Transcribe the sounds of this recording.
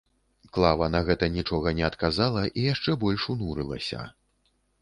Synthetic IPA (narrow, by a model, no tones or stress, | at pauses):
klˠavɐnɐɣɛt̪ɐnʲit͡ʂɔɣɐnʲɛɐt̪kazalˠɐʔijaʂt͡ʂɛbɔlʲʂunuɾɨlˠɐ̰sʲɐ̰